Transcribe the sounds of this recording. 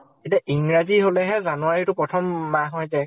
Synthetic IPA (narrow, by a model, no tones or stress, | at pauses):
ketiaʔiŋɹaziɦolɛɦɛzanuwaɹitʊpɹɔtʰɔmbaɦɔjzɛ